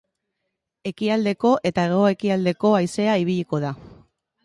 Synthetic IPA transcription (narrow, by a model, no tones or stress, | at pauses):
e̞kiald̪e̞ko̞ʔe̞t̪aɣoe̞kiald̪e̞ko̞ajse̞aiβ̞iʎiko̞ð̞a